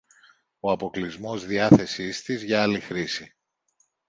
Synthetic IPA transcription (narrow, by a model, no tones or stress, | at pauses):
o̞ɐpo̞klizmo̞zðiɐθe̞sist̪izʝɐɐlixɾisi